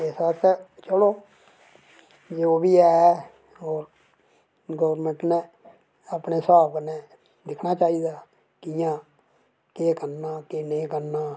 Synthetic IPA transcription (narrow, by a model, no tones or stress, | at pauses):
eːsət̪t͡ʃəloː | d͡ʒeoːbiːɛː | ɦoːɾ | ɡəʋəɾmə̃ɳʈnẽː | aːpneːsbaːbkəneː | d̪ɪkʰnaːt͡ʃaːiːd̪aː | kɪjãː | keːkəɾnaːkeːnẽːkəɾnaː